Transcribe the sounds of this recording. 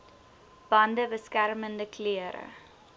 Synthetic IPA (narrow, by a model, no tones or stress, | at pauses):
b̥ɐndəbəskærməndəkliəɾə̰